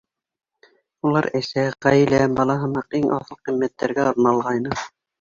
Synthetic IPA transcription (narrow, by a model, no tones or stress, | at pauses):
ulˠɑɾæ̆sæʁæj̆læbɑlˠɑɦɤ̆mɑqiŋʔɑ̰θɤlˠqimːæt̪ːæɾɡæŏɾnɑlˠʁɑjnɤ